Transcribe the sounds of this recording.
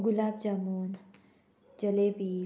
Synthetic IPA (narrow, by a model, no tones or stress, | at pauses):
ɡʊlaːbd͡ʒamuːn | d͡ʒəleːbiː